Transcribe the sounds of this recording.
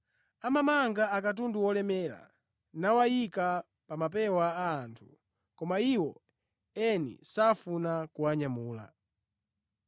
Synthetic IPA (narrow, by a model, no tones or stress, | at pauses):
amamaŋɡaakat̬unduwɔlɛmɛːɾa̰ | nawajika | pamap̬ɛwaːntʰu | kɔmaiwɔ | ɛnḭsafunakuaɲamuːla̰